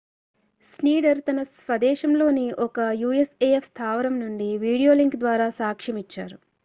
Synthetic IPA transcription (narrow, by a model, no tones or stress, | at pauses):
sniːɽɐɾt̪ɐnɐsʋɐd̪ɛːʃɐmlo̞ːniʔɔkɐjuːeseefst̪ʰaːʋɐɾɐmnuɳɖiʋiːɽijo̞ːliŋkd̪ʋaːɾaːsaːkʂɐmit͡ʃːa̰ːɾu